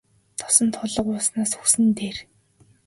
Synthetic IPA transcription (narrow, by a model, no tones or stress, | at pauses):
t̪ʰɔ̥sɞ̆nt̪ʰʊɮə̆qʊːsnaːsxuxsɘ̆nt̪eːr